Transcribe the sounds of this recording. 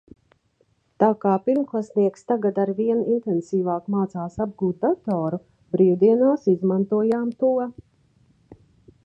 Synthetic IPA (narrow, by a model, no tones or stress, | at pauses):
t̪aːkaːpiɾmklˠasniɛkst̪aɡad̪aɾviɛnint̪ɛnsiːvaːkmaːt̪saːsab̚ɡuːt̪̚d̪at̪ɔːɾu | bɾiːd̪iɛnaːsizmant̪uɔjaːmt̪uɔ